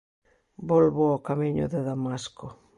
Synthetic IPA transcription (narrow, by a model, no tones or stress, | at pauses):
bolβoakamiɲʊ̰ðeðamaskʊ